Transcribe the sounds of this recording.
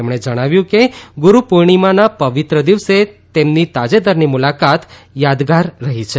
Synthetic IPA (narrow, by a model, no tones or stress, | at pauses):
emɳ̃ed͡ʒəɽ̃aʋjũkeɡuɾupuɾɳ̃imanapəʋit̪ɾəd̪iʋset̪emnit̪ad͡ʒed̪aɾnimulakat̪ | jad̪ɡaɾːəɦit͡ʃʰe